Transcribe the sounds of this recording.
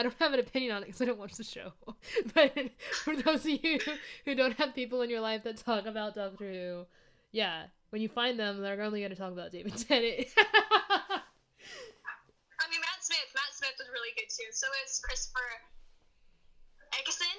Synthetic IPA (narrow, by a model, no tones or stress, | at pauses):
ɪdõʊ̃nhɨvɨ̃nɨpʰɪ̃njɨ̃nə̃nɨt̚kʰʌz̥aɪɾõʊ̃nwɑ̃nt͡ʃsðɨʃo̰ʊb̥ʌtfə˞ðoʊzʌvjjʉhʉdõʊ̃nt̚hɨv̥pipl̩ˠə̃njə˞laɪfðɨtʰɔkɨbaʊt̚d̥ʌkθəʉ | jæ | wɨ̃njɨfãɪ̃nðə̃mðə˞ɡõʊ̃nliɡʌ̃ñɨtʰɔkəbaʊt̚d̥eɪvɨd̚tʰɛnɨt | aɪmĩnmæsmɪθmætsmɪθwʌzɹɪlˠiɡʊd̚tʰʉsoʊɪtsfsfə˞ | ɛksɪ̃